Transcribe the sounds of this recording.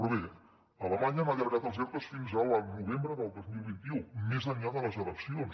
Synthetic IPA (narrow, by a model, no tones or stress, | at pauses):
ɾuβe | ələmaɲənaʎəɾɣat̪əlˠzɛɾt̪əsfinzəlˠnuβembɾəðəlˠd̪ozmilˠβint̪iumezəɲʎaðələzələksions